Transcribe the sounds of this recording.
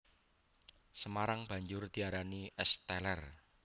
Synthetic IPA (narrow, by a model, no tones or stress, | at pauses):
səmaɾaŋb̥ä̤ɲd͡ʒʊrd̪̥i̤aɾaniʔɛst̪ɛlɛr